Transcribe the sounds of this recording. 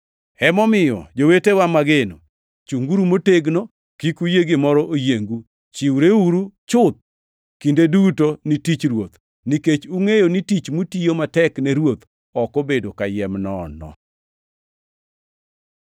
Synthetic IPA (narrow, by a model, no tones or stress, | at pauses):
ɛmɔmɪjɔ̰d͡ʒowetewamaɡeno | t͡ʃuŋɡuɾumoteɡnɔ | kikujeɡemɔɾɔʔojeŋɡu | t͡ʃiwɾeuɾut͡ʃʊt̪̚ | kindedutonitit͡ʃɾwot̪ | niket͡ʃuŋejonitit͡ʃmutijomatɛknɛɾwot̪ | ɔkobedokajɛmnɔnɔ̰